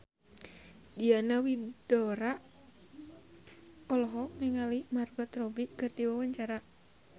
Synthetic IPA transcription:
dianawidɔɾa | ɔlɔɦɔk̚niŋalimarɡɔt̪rɔbikɨrdiwawaɲt͡ʃaɾa

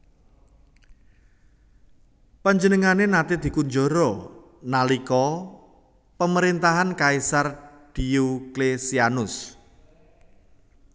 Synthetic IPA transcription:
paɲd͡ʒənəŋanenat̪ed̪̥i̤kuɲd͡ʒɔɾɔ | nalikɔ | pəməɾint̪aɦankaisar | d̪̥iuklesianʊs

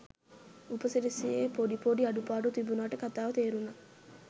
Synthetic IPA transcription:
upəseɾesijeːpoɖipoɖiɐɖupaːɖut̪ibunaːʈəkat̪aːʋət̪eːɾunːɐ

